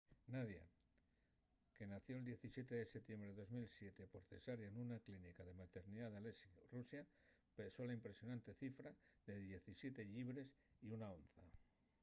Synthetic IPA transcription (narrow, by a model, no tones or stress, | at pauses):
naðja̰ | ke̞naθjo̞ld̪je̞θisje̞t̪eðeset̪je̞mbɾeo̞zmilsje̞t̪e̞po̞ɾθe̞saɾenunaklinikaðe̞mat̪eɾniðaðalesirusja | peso̞laimpɾe̞sjo̞nãnt̪e̞θifɾaðe̞ðje̞θisje̞t̪e̞ʎiβ̞ɾe̞siunaonθa